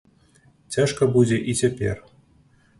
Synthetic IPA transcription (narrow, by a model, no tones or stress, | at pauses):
t͡sʲaʂkɐbud͡zʲeʔit͡sʲepʲḛr